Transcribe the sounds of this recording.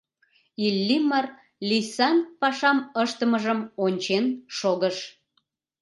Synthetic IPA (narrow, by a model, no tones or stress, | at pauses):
ilʲːimɑr | lisɑnpɑʃɑməʃt̪əməʒəmonʲt͡ɕenʃoɣəʃ